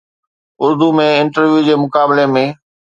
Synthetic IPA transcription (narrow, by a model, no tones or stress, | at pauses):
ʊɾd̪umẽɪnʈəɾʋjud͡ʑeːmʊkaːbɪlemẽː